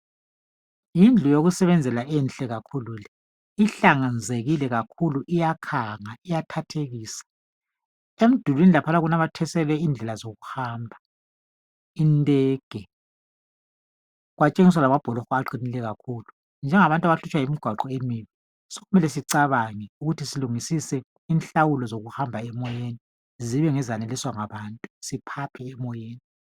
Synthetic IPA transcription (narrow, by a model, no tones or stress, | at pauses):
jind͡ɮʱujoɣusɛβɛnd͡zʱɛlaʔɛnɬʼɛɣakʰuluːlɛ | iɬaŋand͡zʱeɣilɛɣakʰuluʔijakʰaŋaijatʰatʰeɣiːsḁ | em̩d̥ʱulwinilapʰanaɣunaβatʰɛsɛlɛiːnd͡ɮʱɛlazoɣuhaːmbʱa | intʼɛːɡ̥ʱɛ | ɣwat͡ʃʼeŋis̬walamab̥ʱɔlɔxɔaǃinilɛɣakʰuːlu | nd͡ʒʱɛŋaβantʼaβaɬut͡ʃʼwajimiɡ̥ʱwaǃɔemiːβi | soɣumɛlɛsiǀaβaŋɛuɣutʰisiluŋisisɛ | inɬawulɔzoɣuhambʱaɛmɔjeːni | ziβɛŋɛzaneliswaŋaβaːntʼusipʰapʰɛːmɔjeːni